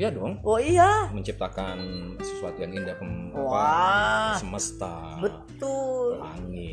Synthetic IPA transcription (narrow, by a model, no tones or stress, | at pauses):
jadɔŋoijaməɲt͡ʃip̚t̪akansəsuat̪ujaŋindapəmwpa | səməst̪a | bət̪ʊla̰ŋɪ